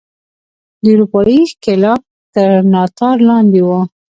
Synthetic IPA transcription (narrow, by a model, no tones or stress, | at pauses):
d̪əuɾupɑikɪlɑf | t̪əɾnɑt̪ɑɾlɑnd̪ewə